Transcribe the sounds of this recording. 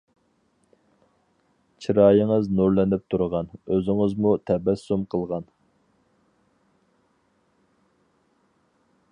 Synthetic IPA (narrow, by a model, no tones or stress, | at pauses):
t͡ʃʰiɾɑːjəŋəznuɾlɛnɪp̚t̪ʰuɾəʁɑnøzɪŋəzmut̪ʰɛbɛsːumqʰəlˠʁɑn